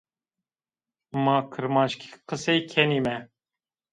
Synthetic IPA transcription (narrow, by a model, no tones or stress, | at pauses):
mɑːkʰɨɾmɑːnʃkʰi̥qɨsɛjkʰɛnimɛ